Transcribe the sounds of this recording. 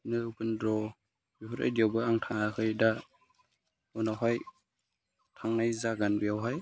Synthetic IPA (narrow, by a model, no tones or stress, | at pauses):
nɯbɯndɾɔ | bihʰuɾa̰jdiawbɯaŋtʰaŋakɯjda | ɔnawɦaj | tʰaŋnajzaɡanbijawɦaj